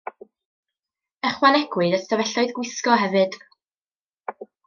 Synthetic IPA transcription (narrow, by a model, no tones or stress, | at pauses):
ɛχwanɛɡ̥wɨdastavɛɬɔɨðɡwɪskɔɦɛvɨd̥